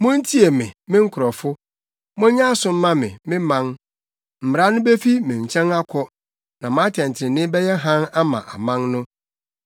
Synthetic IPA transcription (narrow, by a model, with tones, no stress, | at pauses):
mʊ̃˦n̩˦tʰi˦e˨mɪ̰̃˨mɪ̃˦ŋ̩˦kʰʊ˨ɾɔ˨fʊ˦ | mʊ̃˦ɲã˦sʊ̃˨m̩˦mã˦mɪ̰̃˨mɪ̃˦mã˦ŋ | m̩˨m˨ɾa˦nʊ̃˦be˦fi˦mɪ̃˨ɲ̩˨t͡ɕʰɛ̃˦na˦kʰɔ˦ | nã˨mã˨˦tʰɛ̃˨n˨tʰɪ˨ɪ̃˨nɪ̃˦bɛ˦jɛ˦ɦã˦na˦mã̰˨ʔa˨mã˦ŋnʊ̃˦